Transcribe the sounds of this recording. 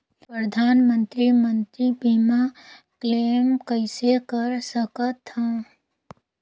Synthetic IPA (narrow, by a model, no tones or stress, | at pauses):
pɾəd̪ʱaːnmə̃nt̪ɾimə̃nt̪ɾibiːmakleːmkəɪsekəɾsəkət̪ã